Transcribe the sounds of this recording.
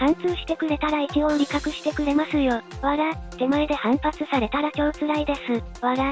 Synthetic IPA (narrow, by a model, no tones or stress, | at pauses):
hãñt͡sɨːɕi̥t̪e̞kɯ̟ɾe̞t̪aɾaikiho̞ːɾʲikakɯ̟ɕi̥t̪e̞kɯ̟ɾe̞masɨjo̞βaɾad̪̥e̞moed̪e̞hãmpat͡sɨsaɾe̞t̪aɾakʲo̞ːt͡sɨɾaid̪e̞sɨ | βaɡa